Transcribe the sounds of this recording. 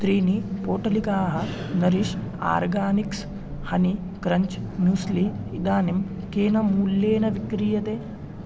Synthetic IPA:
t̪ɾiːnipoːʈɐlikaːɦɐ | nɐɾiʃa̰ːɾɡaːniks | hɐni | kɾɐɲt͡ʃmjuːsli | id̪aːnim | keːnɐmuːlːeːnɐʋikɾijɐt̪eː

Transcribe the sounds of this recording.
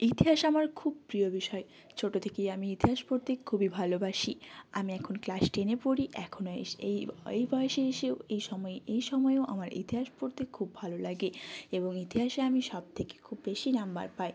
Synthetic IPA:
it̪iɦaʃamaɾkʰub̚pɾiobiʃɔe | t͡ɕʰoʈot̪ʰekejamiit̪iɦaʃpoɾt̪ekʰubibʱalobaʃiamiɛkʰonklaʃʈenepoɾiʔɛkʰonoḛʃejejbɔeʃeeʃeoejʃɔmɔeejʃɔmɔeoʔa̰maɾḭt̪iɦaʃpoɾt̪ekʰubːʱalolaɡeeboŋit̪iɦaʃeamiʃɔb̚t̪ʰeke̥kʰubːeʃinamba̰ɾpae

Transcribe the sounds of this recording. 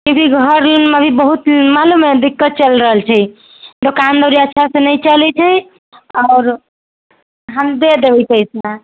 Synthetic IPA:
kõkiɡʱəɾnməbʱibəɦut̪malumed̪ikːət̪̚t͡ʃəlɾəɦəlt͡ʃʰɛ | t̪okand̪əɾiətːʃʰasẽnəjt͡ʃəlɛt͡ʃʰɛ | aːɾ | ɦamd̪ed̪ebɛt͡ʃəjsna

